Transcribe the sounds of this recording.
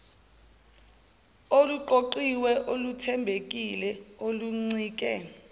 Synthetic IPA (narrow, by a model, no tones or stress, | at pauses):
oluǃoǃiwɛʔolutʰɛmbʱek̬ʼilɛoluŋ͡ǀiːk̬ʼɛ